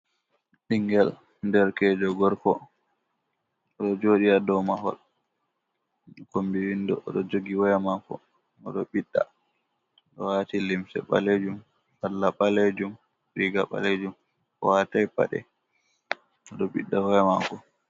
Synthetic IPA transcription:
ɗiŋɡɛl | ndɛɾkɛd͡ʒɔɡɔɾkɔ | ɔɗɔd͡ʒoɗiadɔmaɦɔ̰l | ɗɔkombiwindɔʔɔ̰ɗɔd͡ʒoɡiwɔjɛmakɔ̰ | ɔɗɔɓiɗːa̰ | ɗɔwatilimsɛ̰ɓa̰led͡ʒum | alːaɓaled͡ʒum | ɾiɡaɓa̰led͡ʒum | ɔ̰watajpa̰ɗɛ̰ | ɔɗɔɓiɗːawɔjɛmakɔ

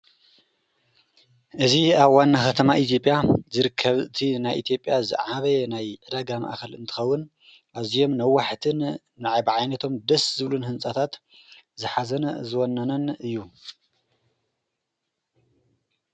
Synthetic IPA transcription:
ʔɨziaβwanːaxɐt̪ʰɐmaʔit̪ʰjo̞pʼjazɨɾɨkʰːɐβɨt̪ʰinajʔit̪ʰijo̞pʼjazɨ̰ʕaβɐjɛnajʕɨdaɡama̰ʔkʰɐlɨnt̪ʰɨ̥xɐwːɨn | ʔazijo̞mnɐwːaħt̪ʰɨn | nɨʕajbʕajnɐt̪ʰo̞md̪ɐszɨβlunhɨnsʼat̪ʰat̪ | zɨħazɐnzɨwonːɐnɐnɨjːu

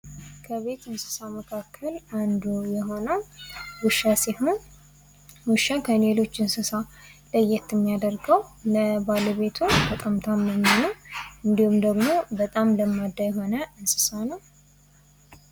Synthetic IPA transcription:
kʰəβe̞t̪ɨnsɨ̥saməkʰakʰːəland̪ujɛɦo̞nəwwʊʃːasehu | wɨʃakʰəne̞lo̞t͡ʃːɨnsɨsaləjɛt̪ːmːijad̪əɾɡəwləbaləβe̞t̪ʰubət̪ʼamt̪ʰamːənːanəwʔɨnd̪ihumd̪əɡmo̞bət̪ʼamləmːad̪ːajɛɦo̞nəɨnsɨ̥sanəw

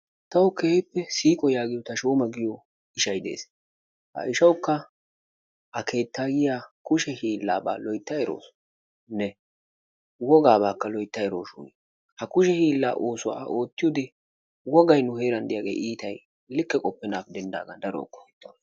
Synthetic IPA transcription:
t̪ɐwkeːhɪpːɛsiːkʼɔjaːɡɪjɔt̪ɐʃoːmɐɡɪjɔ | ɪʃɐjd̪e̞̰ːs | hɐ̰ʔɪʃɐwkːɐ | ʔɐke̞ːt̪ːaːɡɪjaːkʊʃɛhiːlːa̰ːba̰ːlɔjt̪ːɐjɛɾo̰ːs | nɛ | wɔɡaːbaːkːɐlɔjt̪ːɐjɛɾoːʃʊ̰n | hɐkʊʃ̬ɛhiːlːa̰ːʔoːsʊwa̰o̞ːt̪ːɪjɔd̪ɛ | wɔɡɐjnʊhe̞ːɾɐnd̪ɪjaːɡḛːʔiːt̪ɐj | lɪkːɛkʼɔpːɛnaːfd̪ɛnd̪a̰ːɡɐd̪ɐɾɔ̰ːkːɔ̥hɛt̪ːon

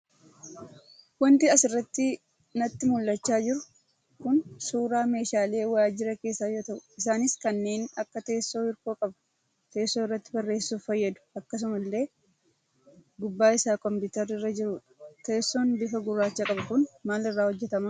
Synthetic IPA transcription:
wɐnt̪ɪɐsɪrːɐt̪ːɪ | nɐt̪ːɪmʊlːɐt͡ʃːaːd͡ʒɪɾʊ̥ | kʊnsuːɾaːme̞ːʃaːle̞ːwaːd͡ʒɪɾɐke̞ːsːaːjo̞ːt̪ɐʔʊ̥ɪsaːnɪskɐnːeːnɐkːɐt̪e̞ːsːo̞ːɪɾkoːkʼɐbɐ̥ | t̪e̞ːsːoɪrːɐt̪ːɪ̥bɐrːe̞ːsːuːfɐjːɐd̪ʊ̥ɐkːɐs̬ʊmɐlːe̞ː | ɡʊbːaːɪsaːkɔmpuːt̪ɐɾːɪrːɐd͡ʒɪɾuːᶑɐ̥t̪e̞ːsːo̞ːnbɪfɐɡʊrːaːt͡ʃːaːkʼɐbɐkʊnmaːlɪrːaːhɔd͡ʒːɛt̪ɐmaː

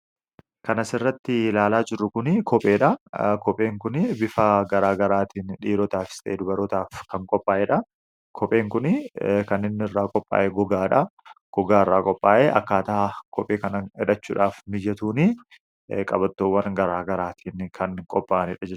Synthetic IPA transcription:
kɐnɐsɪrːɐt̪ːɪlaːlaːd͡ʒɪrːʊkʊnɪkʰɔpʼeːᶑɐkɔpʼe̞ːŋkʊnɪbɪfɐɡɐɾaːɡɐɾaːt̪iːnᶑiːɾɔt̪aːfɪ̥st̪ʼɐʔeːd̪ʊbɐɾɔt̪aːfkɐŋkʼɔpʼːaːʔɛᶑɐ | kʰɔpʼe̞ːŋkʊnɪkɐnːɪnːɪrːaːkʼɔpʼːa̰ːʔɛɡɔɡaːᶑɐ | ɡ̥ɔɡaːɪrːaːkʼɔpʼːaːʔeʔɐkːaːt̪ɐakʰɔpʼeːkɐnɐɛᶑɐt͡ʃːṵːᶑaːfmɪjːɐt̪uːnɪ | kʼɐbɐt̪ːoːwːɐnɡɐɾaːɡɐɾaːt̪ʰiːnkʰɐnkʼɔpʼːaːnɪᶑɐd͡ʒɛt͡ʃː

